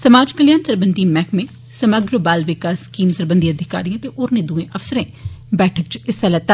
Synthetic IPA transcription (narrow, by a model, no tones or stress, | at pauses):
səmaːd͡ʒkəljaːnsəɾbənd̪iːmɛːkmẽ | səməɡɾəbaːlʋɪkaːskiːmsəɾbənd̪iəd̪ʱɪka̰ːɾijãːt̪eʔoːɾnẽːd̪uːẽːʔəfsəɾẽːbɛːʈʰəkt͡ʃɪsalɛːt̪a